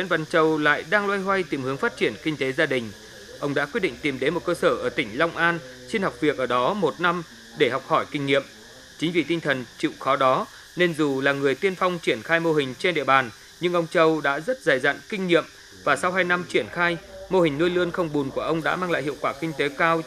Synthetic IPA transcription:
wḭ˧˥nvə˧˥nt͡ɕə˨˩wla̰ː˧˨jɗaː˧ŋlwaː˧jɦwa˧jt̪i˨˩mhɨ˨˦əŋfaː˦˥t̚t͡ɕi˧˩ənkï˧ŋ̟t̪e˨˦zaː˧ɗï˨˩ŋ̟ | ʔə˧wŋ͡mɗa̰ː˧˥kwi˦˥t̚ɗḭ˧˨ŋ̟t̪i˨˩mɗe˨˦nmo˨˩t̚kəː˧səː˧˩ʔəː˧˩t̪ï˧˩ŋ̟la˧wŋ͡mʔaː˧n | si˧nha˨˩wk͡p̚vi˨˩ək̚ʔəː˧˩ɗɔ˨˦mo˨˩t̚na˧m | ɗe˧˩ha˨˩wk͡p̚hɔ˧˩jkï˧ŋ̟ɲḭ˧˨əm | t͡ɕi˨˦ŋ̟vi˨˩t̪ï˧ŋ̟t̪ʰə˨˩nt͡ɕḭ˧˨wxɔ˨˦ɗɔ˨˦ | ne˧nzu˨˩laː˨˩ŋɨ˨˩əjt̪i˧ənfa˧wŋ͡mt͡ɕi˧˩ənxaː˧jmo˧ɦï˨˩ŋ̟t͡ɕe˧nɗḭ˧˨əɓaː˨˩n | ɲɨ˧ŋʔə˧wŋ͡mt͡ɕə˧wɗa̰ː˧˥zə˦˥t̚zaː˨˩jza̰˧˨nkï˧ŋ̟ɲḭ˧˨əm | vaː˨˩sa˧wɦaː˧jna˧mt͡ɕi˧˩ənxaː˧jmo˧hi˨˩ŋ̟nu˧jlɨ˧ənxə˧wŋ͡mɓu˨˩nku˧˩əʔə˧wŋ͡mɗa̰ː˧˥maː˧ŋla̰ː˧˨jhḭ˧˨əwkwaː˧˩kï˧ŋ̟t̪e˨˦kaː˧w

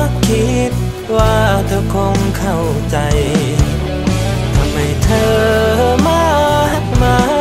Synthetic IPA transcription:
kʰi˦˥t̪̚ | waː˧˩t̪ʰɤː˧kʰo˧ŋkʰa˥˩w | t͡ɕa˧j | t̪ʰa˧mha˧˩jt̪ʰɤː˧maː˧˥a˧˥t̚maː˧

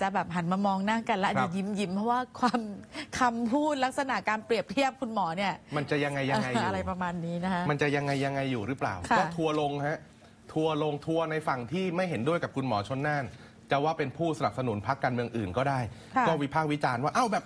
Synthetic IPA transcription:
t͡ɕa˨˩bɛː˨˩p̚ɦa˩˦nmaː˧mɔː˧ŋnaː˥˩ŋka˧nlɛ˦˥a˧˨˩ji˧˦˩mji˧˩mpʰɔ˦˥waː˥˩kʰwaː˧mkʰa˧mpʰuː˥˩t̪̚la˦˥k̚sa˧na˨˩ʔkaː˧npɾi˨˩əp̚t̪ʰi˥˩əp̚kʰu˧nmɔː˩˦ni˥˩ɐma˧nt͡ɕa˨˩ʔja˧ŋːa˧jːa˧ŋa˧ja˧ɾa˧jpɾa˧maː˧nːiː˦˥na˦˥kʰa˦ma˧nt͡ɕa˨˩ʔja˧ŋːa˧jːa˧ŋːa˧jːuː˨˩ɾɯ˦˥pla̰ː˨˩wkʰkɔː˥˩t̪ʰu˧ɐlo˧ŋha˦˥ | t̪ʰu˧ɐlo˧ŋt̪ʰu˧ɐna˧jfa˨˩ŋt̪ʰiː˥˩ma˥˩jɦe˩˦ndu˥˩əjka˨˩p̚kʰu˧nmɔ̰ː˩˦t͡ɕʰo˦˥nːaː˥˩n | t͡ɕa˨˩waː˥˩pe˧npʰuː˥˩sa˧na˨˩p̚sa˧nu˩˦npʰa˦˥kːaː˧nmɯ˧əŋʔɯː˨˩nkɔː˥˩daː˥˩j | kɔː˥˩wi˦˥pʰaː˥˩k̚wi˦˥t͡ɕaː˧nwaː˥˩ʔa˥˩wbɛː˨˩p̚

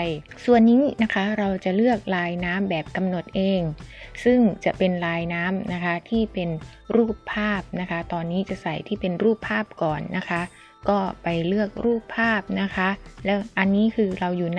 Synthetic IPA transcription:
su˨˩ənːiː˦˥na˦˥kʰa˦˥ɾa˧wt͡ɕa˨˩lɯ˥˩ək̚ɾaː˧jnaː˦˥mbɛː˨˩p̚ka˧mno˨˩t̪̚ʔeː˧ŋsɯ˥˩ŋt͡ɕa˨˩pe˧nɾaː˧jnaː˦˥mna˦˥kʰa˦˥t̪ʰiː˥˩pe˧nɾuː˥˩pʰːaː˥˩p̚na˦˥kʰa˦˥t̪ɔː˧nːiː˦˥t͡ɕa˨˩ʔsa˨˩jt̪ʰiː˥˩pe˧nɾuː˥˩pʰːaː˥˩p̚kɔː˨˩nːa˦˥kʰa˦˥ʔ | kɔː˥˩pa˧jlɯ˥˩ək̚ɾuː˥˩pʰːaː˥˩p̚na˦˥kʰa˦˥lɛː˦˥wʔa˧nːiː˦˥kʰɯː˧ɾa˧wjuː˨˩n

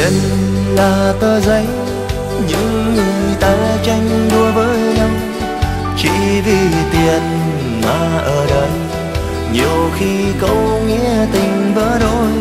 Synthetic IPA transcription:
ə̰˧˨n | laː˨˩t̪əː˧zə˧˨˦j | ɲɨ̰˧˥ŋːɨ˨˩jt̪aː˨˦t͡ɕa˧jŋ̟ɗu˧əvəː˨˦jɲa˧ŋ͡m | t͡ɕḭ˧˥vi˧˨˩t̪i˨˩ən | maː˨˩ʔəː˨˩ɗəː˨˩j | ɲi˨˩əwxi˧kə̰˧˥wŋḭ˧˥ət̪ï˨˩ŋ̟vəː˧˦ɗo̰˧˨j

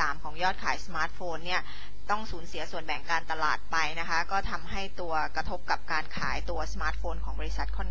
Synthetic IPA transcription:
saː˩˦mkʰɔː˩˦ŋjɔː˥˩t̪̚kʰaː˨˩˦jsa˧maː˦˥t̪̚foː˧nːi˥˩ɐ | t̪ɔ˥˩ŋsuː˩˦nsi˨˩˦ɐsu˨˩ənbɛ˨˩˦ŋkaː˧nt̪a˧la̰ː˨˩t̪̚pa˧jna˦˥kʰa˦˥kɔː˥˩t̪ʰa˧mɦa˥˩jt̪u˧ɐkɾa˧t̪ʰo˦˥p̚ka˨˩p̚kaː˧nkʰaː˩˦jt̪u˧ɐsa˧maː˦˥t̪̚foː˧nkʰɔː˩˦ŋbɔː˧ɾi˦˥sa˨˩t̪̚kʰɔː˥˩n

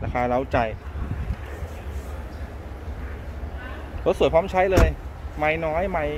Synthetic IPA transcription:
ɾaː˧kʰaː˧ɾa˦˥wt͡ɕa˧j | kʰɔː˧˥su˨˩˦jkʰaː˦˥mt͡ɕʰa˦˥jlɤː˧jma˧jnɔː˦˥jma˧j

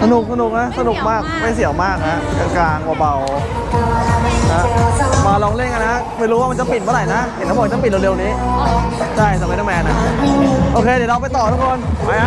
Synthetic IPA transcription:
sa˧nu˨˩k̚sa˧nu˨˩k̚na˦˥sa˧nu˨˩k̚maː˥˩k̚ma˧˥˩jsi˨˩˦əwmaː˥˩k̚ha˦˥˧ka˧˩klaː˧ŋwaː˧˩ba˧w | ha˦˥baː˧lɔː˧ŋle˥˩ŋka˧na˦˥ʔpʰaː˧jɾuː˧˦waː˥˩m˧nt͡ɕa˨˩pi˨˩t̪̚maː˧˥ɾla˨˩jna˦˥he˨˩˦nka˧˦˩b̚t͡ɕa˧˥pi˨˩lːle˧wniː˦˥ | t͡ɕʰa˥˩jt̪ɛː˨˩pe˧na˧˩mɛː˧na˦˥ʔoː˧kʰeː˧di˨˩˦ɾa˧pa˧jt̪ɔː˨˩t̪ʰu˦˥kʰo˧nma˧˩a˧

